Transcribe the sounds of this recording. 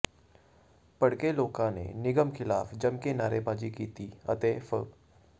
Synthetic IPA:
pɐɽkeloːkãnḛnɪɡəmkʰɪla̰ːfd͡ʒɐmkenaːɾebaːd͡ʒikiːt̪iːɐ̰t̪eːfə̰

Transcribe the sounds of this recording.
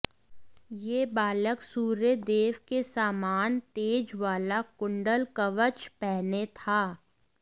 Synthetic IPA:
jeːbaːləksuːɾəd̪eːʋkesaːmaːnt̪eːd͡ʒʋaːlakʊ̃ɳɖəlkɐʋət͡ʃpɛɦnet̪ʰaː

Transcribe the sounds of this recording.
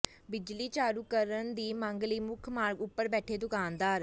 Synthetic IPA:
bɪd͡ʒliːt͡ʃaːɾuːkəɾənd̪iːməŋɡliːmʊkʰmaːɾɡʊpːəɾbɛːʈʰeːd̪ʊkaːnd̪aːɾ

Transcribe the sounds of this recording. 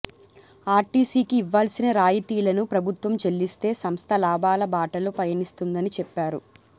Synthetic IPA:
aːɾʈiːsiːkiːʋːaːlsinɐɾaːjit̪iːlɐnupɾɐbʱut̪ʋɐmt͡ʃelːist̪e̞ːsɐmst̪ʰɐlaːbaːlɐbaːʈɐlupɐjɐnist̪und̪ɐnit͡ʃɛpːaːɾu

